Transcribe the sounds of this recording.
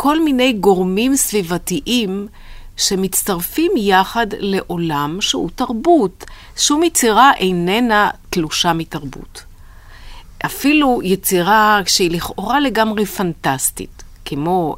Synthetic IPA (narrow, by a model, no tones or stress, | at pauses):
kʰo̞lmine̞jɡo̞ʁmimsvivatiʔim | ʃe̞mit͡staʁfimjaχadle̞ʔo̞lamʃehutaʁbut | ʃeumjet͡siʁaʔejnenatluʃamitaʁbṵt | ʔafilujet͡siʁakʃeiliχʔo̞ʁale̞ɡamʁefantastḭtkemo̞